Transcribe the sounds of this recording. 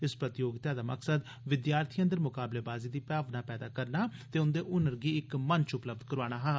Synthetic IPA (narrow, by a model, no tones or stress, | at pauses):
ɪspɾət̪ɪjoːɡt̪aːd̪aːməksəd̪ | ʋɪd̪jaːɾt̪ʰiːə̃nd̪əɾmʊkaːbleːbaːziːd̪iːpaːʋnaːpɛːd̪aːkəɾnaːt̪eːʊnd̪eːʔʊnəɾɡiːɪkmənt͡ʃʊpləb̚d̪kəɾaːɽ̃aːɦaː